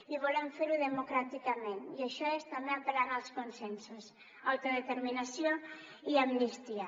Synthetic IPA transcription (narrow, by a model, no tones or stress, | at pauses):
iβ̞olɛɱfeɾuðemokɾat̪ikamẽniaʃɔest̪ambeapelaɣalˠskonsensus | awt̪oðet̪eɾminasjo | iamnist̪ia